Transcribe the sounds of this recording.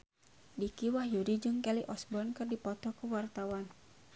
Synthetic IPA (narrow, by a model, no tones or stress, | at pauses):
dikiwahjudid͡ʒɨŋkɛliʔɔsbɔnkɨrdipɔt̪ɔkuwart̪awan